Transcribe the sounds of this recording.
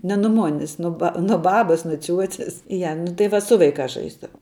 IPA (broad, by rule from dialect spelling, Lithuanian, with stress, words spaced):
nʲɛ nʊ ˈmoːnʲɪs nʊ ˈbɐ nʊ ˈbɑːbɐs nʊ ˈt͡sʲuɔt͡sʲɛs ˈjɛ nʊ tɐɪ ˈʋɐ ˈsʊ ʋɐɪˌkɑːs ˈʒɐɪzdɐʋɐʊ